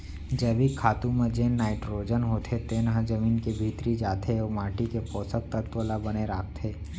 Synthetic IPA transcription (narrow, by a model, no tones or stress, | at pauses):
d͡ʒəbʱikʰaːt̪ũmẽd͡ʒẽːnnːaːɪʈɾoːd͡ʒənɦoːt̪ʰet̪enɦãd͡ʒəmiːnkebʱiːt̪ɾid͡ʒaːt̪ʰeomaːʈikepɔːsək̚t̪ət̪ʋolabəneɾaːk̚t̪ʰeː